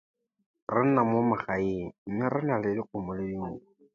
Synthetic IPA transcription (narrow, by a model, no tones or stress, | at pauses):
rɪn̩namʊmaχaiŋ̩m̩mɪrɪnalɪdɪq͡χʰʊmʊlediŋ̩ʊ